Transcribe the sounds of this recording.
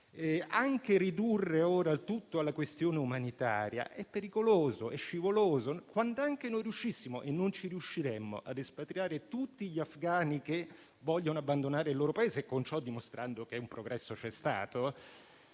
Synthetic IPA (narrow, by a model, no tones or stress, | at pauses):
ɛaŋkeɾid̪urːeoːɾalt̪ut̪ːoalːakwest̪joːneumanit̪a̰ːɾja̰ʔɛpːeɾikoloːzoʔɛʃːivoloːzokwand̪oaŋk̟enojɾiuʃːisːimoʔenːont͡ʃiɾiuʃːiɾɛmːo̰ʔa̰d̪espat̪ɾjaːɾet̪ut̪ːiʎiafɡaːnike | vɔʎːonoabːand̪onaːɾeilːoːɾopaeːzekont͡ʃɔd̪ːimost̪ɾʔand̪okeumpɾoɡɾʔɛsːot͡ʃɛst̪a̰ːt̪o